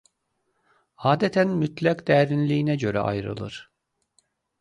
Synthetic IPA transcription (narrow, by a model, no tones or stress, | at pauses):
aːd̪ɛt̪ʰænmyt̪lʲækd̪̥ɛːɾinlʲiːnɛɟø̞ɾɛ̰ʔa̰jɾɯ̰lˠɯ̰ɾ̥